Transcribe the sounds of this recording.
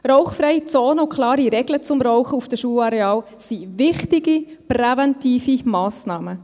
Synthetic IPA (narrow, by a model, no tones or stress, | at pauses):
rɔʊχfɾɛjt͡soːnəʊkʰlɑːɾiɾɛɡlət͡sʊmrɔʊχəufd̥əʃuːəlɑɾɛɑːl | sivɪχtiɡiprɛvɛntiːfimɑːsnɑːmə